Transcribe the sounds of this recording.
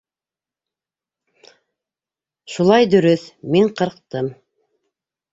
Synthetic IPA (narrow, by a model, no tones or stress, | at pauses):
ʃulˠɑjd̪ɵ̆ɾɵθmiɴqɤ̆ɾqt̪ɤm